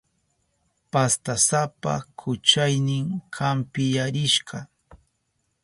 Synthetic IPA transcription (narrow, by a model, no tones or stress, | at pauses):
past̪asapa̰kʰʊt͡ʃajnɪŋkʰampɪjaɾɪʃɢɑ